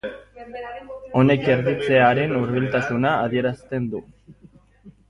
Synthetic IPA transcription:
o̞ne̞ke̞ɾðit͡se̞aɾe̞nuɾβilt̪asunaːðie̞ɾast̪e̞nd̪u

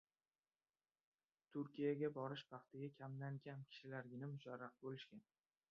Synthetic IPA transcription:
t̪ʰʊɾkʲijaɡʲabɒɾɪʃpʰɑqt̪ʰɪɡʲakʲʰamlaŋɡʲankʲʰɪ̥ʃɪlaɾɡʲɪnɪmʊʃaɾːaq̚bolɪʃkʲan

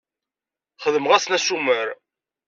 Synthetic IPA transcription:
χəðəmʁæsnæsuməɾ

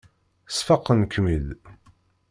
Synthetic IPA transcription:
sfɑqːənkːmið

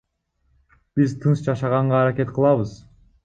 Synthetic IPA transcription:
b̥izt̪ʰɯnsd͡ʒɑʃɑʁɑɴʁɑːɾake̞t̪qʰɯlˠɑβɯz

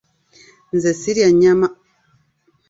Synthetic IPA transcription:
nzesiɾjaɲama

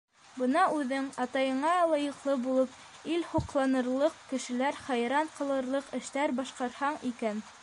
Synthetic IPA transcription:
bɤ̆nɑʔʉðɘŋɑt̪ɑjɤ̆ɴɑlˠɑjɤ̆qlˠɤbulˠɤp | ilhuqlˠɑnɤ̆ɾlˠɤqkɘ̆ʃɘ̆læɾχæjɾɑɴqɤ̆lˠɤ̆ɾlˠɤqɘ̆ʃt̪æɾbɑʃqɑɾhɑɴikæn

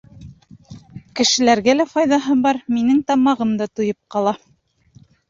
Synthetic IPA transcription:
kɘ̆ʃɘ̆læɾɡælæfɑjðɑɦɤbɑɾminɘŋt̪ɑmɑʁɤmd̪ɑt̪ujɤp̚qɑlˠɑ

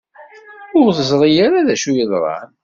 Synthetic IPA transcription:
ʊɾθəzˤɾˤijaɾaðæʃujəðˤɾˤɑ̰n

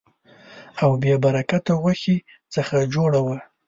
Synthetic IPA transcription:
awbjebaɾakat̪awaxi | t͡səxad͡ʒoɽawə

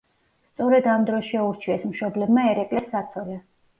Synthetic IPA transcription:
st̪sʼɔɾɛd̪amd̪ɾɔsʃɛuɾt͡ʃʰiɛsmʃɔblɛbmaɛɾɛkʼlɛsːat̪sʰɔlɛ

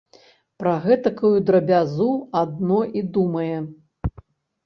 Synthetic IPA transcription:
pɾɐɣɛt̪ɐkujud̪ɾɐbʲazuad̪̚nɔʔid̪umɐjɛ

